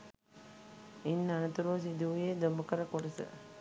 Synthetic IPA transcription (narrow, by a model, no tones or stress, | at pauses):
inːanɐt̪uɾuʋɐsid̪uʋjed̪ombɐkəɾəkuɾɐsə̰